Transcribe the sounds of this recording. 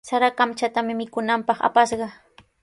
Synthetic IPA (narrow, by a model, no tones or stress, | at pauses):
saɾakamt͡ʃat̪amɪmɪkʊnampɑχa̰paʃɢɑ